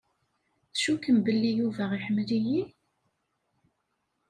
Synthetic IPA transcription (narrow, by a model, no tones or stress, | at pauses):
θʃukəmbəlːijuvæʁiħəmːliji